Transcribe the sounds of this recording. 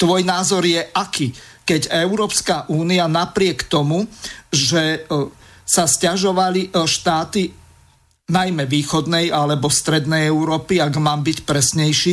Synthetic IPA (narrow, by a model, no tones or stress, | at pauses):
t̪ʋɔjnaːzɔɾjɛʔakiː | kɛɟɛʊɾɔːpskaʔuːnianapɾɪɛkt̪ɔmuʒɛ | sascaʒɔʋaliʃt̪aːt̪i | najmɛʋiːxɔd̪nɛjalɛbɔst̪ɾɛd̪nɛjɛʊɾɔːpiaɡmaːmbicpɾɛsɲɛjʃiː